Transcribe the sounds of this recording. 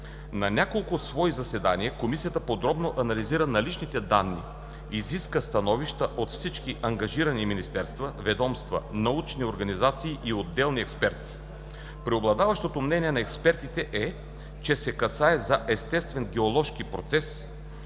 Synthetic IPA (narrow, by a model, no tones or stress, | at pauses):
nɐnʲakolˠkʊsvɔizɐsɛd̪aniɛkomisiət̪əpod̪ɾɔbnoʔɐnɐliziɾənɐlit͡ʃnit̪ɛd̪anːḭ | iziskəst̪ɐnɔviʃt̪əʔot̪fsit͡ʃkiʔɐŋɡɐʒiɾəniminist̪ɛɾst̪vəvɛd̪ɔmst̪və̰nɐut͡ʃnioɾɡɐnizat̪siːʔiod̪ːɛlˠniɛkspɛɾt̪i̥ | pɾioblˠɐd̪avɐʃt̪ot̪omnɛniɛnɐɛkspɛɾt̪it̪ɛʔɛ | t͡ʃɛsɛkɐsaɛzɐʔɛst̪ɛst̪vɛnɡɛolˠɔʃkipɾo̰t̪sɛs